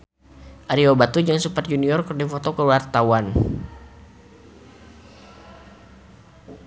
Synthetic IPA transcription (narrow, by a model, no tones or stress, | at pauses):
ʔaɾiobat̪ud͡ʒaŋsupat̪̚juniɔrkərdifɔt̪okəwart̪awan